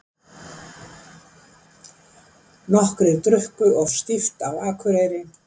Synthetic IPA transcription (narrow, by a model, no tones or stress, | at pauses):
nɔhkɾɪðt̪ɾʏhkʏɔvst̪ift̪awaːkʰʏɾejɾɪ